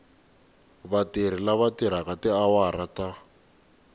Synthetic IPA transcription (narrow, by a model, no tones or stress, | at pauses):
βatiɾ̤ilaβatiɾ̤aɣatɛawaɾata